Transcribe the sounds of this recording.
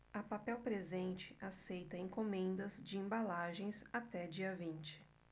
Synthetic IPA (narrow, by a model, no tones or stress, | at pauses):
ɐpapɛwpɾezẽnt͡ʃɪ̥ʔasejt̪ɐẽkomẽnd̪ɐzd͡ʒɪẽbalaʒẽj̃sat̪ɛd͡ʒiɐvĩnt͡ʃɪ̥